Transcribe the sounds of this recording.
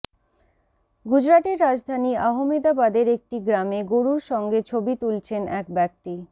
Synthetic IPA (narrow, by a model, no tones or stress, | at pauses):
ɡud͡ʑɾaʈeɾːad͡ʑd̪ʱaniaɦomed̪abad̪eɾek̚ʈiɡɾameɡoɾuɾʃɔŋɡet͡ɕʰobit̪ult͡ɕʰenɛ̰kbɛk̚ʈi